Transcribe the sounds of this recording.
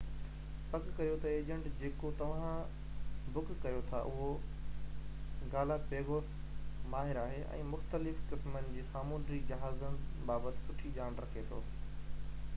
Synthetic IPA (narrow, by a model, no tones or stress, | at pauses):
pɐkkɐijot̪ɐeːd͡ʑə̃ɳʈd͡ʑeːkot̪ɐʋ̤ã | bʊkkɐjot̪ʰa̰ʔʊɦo | ɡaːlapeːɣoːs | maːɦɪɾaːɦeʔɛ̰̃ːmʊxt̪əlɪfkɪsmənɪ̆d͡ʑiːsaːmũːnɾid͡ʑɐɦaːzənɪbaːbət̪ɪ̥̆sʊʈʰiʄaːɽ̃ɾɐkʰet̪ʰo̰ː